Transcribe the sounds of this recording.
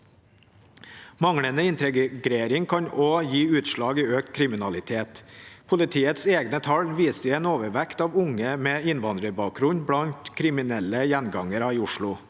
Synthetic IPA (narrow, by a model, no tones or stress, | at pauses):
mɑŋɽənəɪnt̪ɛɡɡɾeːɾɪŋkʰɑɲoːjiːʉːt̪ʃɭɑːɡiːøːk̚t̪kʰɾɪmɪnɑlɪt̪ʰeːt̪pʰʊlɪt̪ʰiːət̪seːɡnət̪ʰɑlʋiːsəeːnoːʋəɾʋɛkt̪ɑːʋʊŋəmɛːɪnʋɑnd̪ɾəbɑːkɾʊnbɽɑnt̪kʰɾɪmɪnɛləjænɡɑŋəɾɑiːʊʂɭʊ